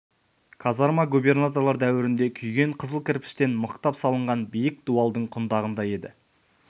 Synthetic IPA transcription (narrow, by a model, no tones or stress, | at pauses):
kʰɑzɑɾmɑɡube̞rnat̪o̞rlˠɑɾd̪æwɪɾɪnd̪e̞kʲʰʏjɡʲe̞ɴqʰəzəlˠkʲʰɪɾpɪ̥ʃt̪e̞nməqt̪ɑpsɑlˠəɴʁɑnbijɪk̚d̪̥uɑlˠd̪əɴqʰʊnd̪ɑʁənd̪ɑje̞d̪ɪ̰